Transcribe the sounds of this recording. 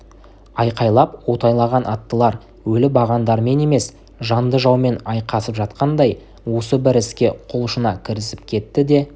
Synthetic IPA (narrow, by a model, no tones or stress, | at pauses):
ɑjqɑjlˠɑp̚wo̞t̪ɑjlˠɑʁɑnʔɑt̪ːəlˠɑɾ | wɵlɪbɑʁɑnd̪ɑɾme̞ne̞me̞s | ʒɑnd̪əʒɑwme̞nɑjqɑsəpʒɑt̪qɑnd̪ɑj | wo̞səbɪɾɪskʲe̞qʰolˠʃənɑkʲʰɪɾɪsɪp̚kʲʰe̞t̪ːɪd̪e̞